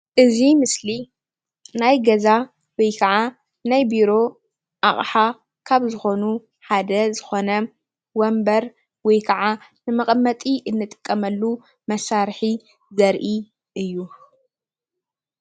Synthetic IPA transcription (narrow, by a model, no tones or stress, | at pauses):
ʔɨzimɨsli | najɡɐza | wɔjkʰɐʕa | najbiɾo̞ | ʔaχʼħa | kʰaβzɨxo̞nu | ħad̪ɐzɨxo̞nɐ | wombɐɾ | wɔjkʰɐʕanɨmɐχʼmːɐt̪ʼiʔɨnːɨt̪ʼɨ̥kʼːɐmɐlːu | mɐsaɾħi | zɐɾʔi | ʔɨjːu